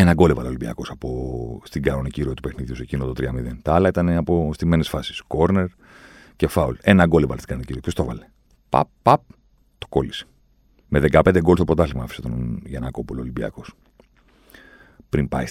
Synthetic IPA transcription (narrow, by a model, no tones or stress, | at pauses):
enɐɡo̞levɐ̰lolimbiɐ̰ko̞sɐpost̪iɡɐnoniciɾiot̪upexniðjiusecinot̪ot̪ɾiɐmiðe̞nt̪ɐɐlɐit̪ɐneɐpost̪ime̞nesfɐsi̥sko̞ɾne̞ɾ | ce̞fɐule̞nɐɡo̞levɐlst̪iɡɐnoniciɾiopçost̪ovɐle | pɐ̰pːɐp̚ | t̪o̥ko̞lise̥ | meðe̞kɐpend̪eɡolst̪opɾo̞t̪ɐfliɣmɐɐfi̥set̪o̞nʝenɐko̞pololimbiɐ̰ko̞s | pɾimpɐ̰is